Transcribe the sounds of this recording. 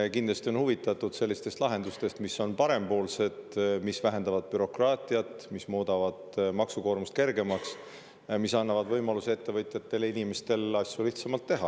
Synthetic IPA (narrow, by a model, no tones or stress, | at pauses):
kind̪lɑst̪io̞nhuvit̪ːˑɑt̪ːˑud̪̥se̞lʲːist̪e̞st̪lɑɦe̞nd̪ust̪e̞st̪misːo̞npɑɾe̞mpo̞ːlse̞d̪̥misvæɦe̞nd̪ɑvɑd̪̥̚pyɾo̞krɑːt̪ʲˑiɑt̪mismoːd̪ɑvɑd̪̥mɑksuko̞ːrmust̪ke̞rɡe̞mɑks | misɑnːɑvɑd̪̥vɤjmɑlusee̞t̪ːe̞vɤjt̪ʲˑjɑt̪ːe̞linime̞st̪e̞lɑsʲjuliht̪sɑmɑlt̪ːeɦɑ̰